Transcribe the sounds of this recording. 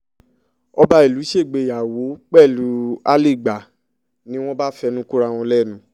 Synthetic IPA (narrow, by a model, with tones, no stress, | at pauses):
ɔ˧ba˧i˨lu˨˦ʃe˦˨ɡ͡be˨ja˨wo˨˦k͡pɛ˦˨lu˨˦a˦le˦˨ɡ͡ba˨ | nĩ˦w̃ɔ̃˦ba˦fɛ˧nũ˦ku˦ɾa˧w̃ɔ̃˧lɛ˦˨nũ˨˦